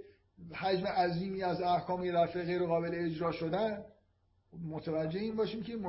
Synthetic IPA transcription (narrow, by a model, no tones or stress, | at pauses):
hæd͡ʒmeʔæziːmiːæzæhkʰɒːmjed̪æɾfeɣeɾoɣɒːbe̞leːd͡ʒɾɒːʃod̪æn | mot̪ʰevæd͡ʒːeheiːnbɒːʃiːmcʰemo